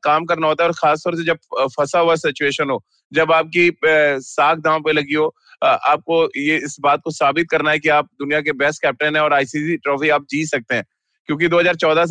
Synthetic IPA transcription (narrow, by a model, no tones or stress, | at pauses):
kaːmkɐɾnaɦoːt̪aɦɛɔːɾxaːst̪ɔːɾs̬ed͡ʒɐb̚fʰɐsaɦʊasɪt͡ʃueːʃənɦoː | d͡ʒɐbaːp̚kisaːk̚ʰd̪ʱãːõpelɐɡiɦoː | ʔaːp̚kojeɪsbaːt̪̚kosaːbɪt̪̚kɐɾnaɦɛkiaːp̚d̪ʊnijak̬ebɛːsʈkɛːp̚ʈɛ̃nɦɛ̃ɔːɾaːɪsisiʈɾɔːfiaːp̚d͡ʒiːsɐk̚t̪eɦɛ̃ː | kjõːk̬id̪oːɦɐzaːɾt͡ʃɔːd̪ʱa